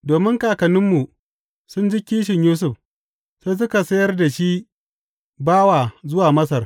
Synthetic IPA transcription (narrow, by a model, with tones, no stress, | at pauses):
doː˨mɪ˦ŋkaː˨kɐ˨nɪ˦mːu˨ | sʊ˦nd͡ʒɪ˦kʲiː˦ʃ̬ɪ˨ɲjuː˦s̬ʊ˨ɸ | seː˦s̬ʊ˦ka˨sɐ˦jɐ˦rda˨ʃi˦ | baː˦wa˨zʊ˦waː˨mɐ˦s̬ɐ˨r